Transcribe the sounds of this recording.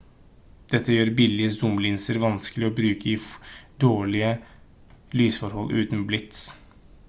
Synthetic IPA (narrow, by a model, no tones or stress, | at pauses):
d̪̥ɛt̪ʰːəjøːɾbɪlɪəsʊmlɪnsəɾʋɑnskəlɪɔbɾʉːkəɪd̪oːɭɪə | lyːsfɔɾhɔlːʔʉ̰ːt̪nblɪt̪s